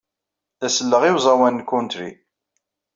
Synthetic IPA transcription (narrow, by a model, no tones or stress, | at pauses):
æsəlːəʁiwzˤɑwænːkːʊnt̪ɾḭ